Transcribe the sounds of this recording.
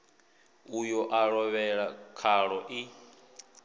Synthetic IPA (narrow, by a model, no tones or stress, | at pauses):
ujɔʔaɺɔβɛɺakʰaɺɔʔi